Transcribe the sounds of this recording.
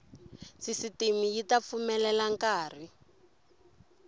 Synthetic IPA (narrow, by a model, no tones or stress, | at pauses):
sisitemijitap̪fumɛlɛlaŋkaːr̤i